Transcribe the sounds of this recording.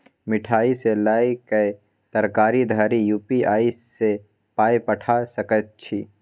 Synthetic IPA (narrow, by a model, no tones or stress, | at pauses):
mɪʈʰaːiselaːikɐe | t̪ɐɾkaːɾid̪ʱaːɾijuːpiaːise | paːipɐʈʰasɐkət̪̚t͡ʃʰi